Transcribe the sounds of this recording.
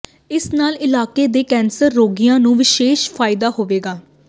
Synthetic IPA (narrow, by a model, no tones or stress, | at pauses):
ɪsnaːlɪlaːkeːd̪eːkɛːnsəɾːoːɡijãːnũːʋɪʃeːʃpʰaːɪd̪aːɦoːʋeːɡaː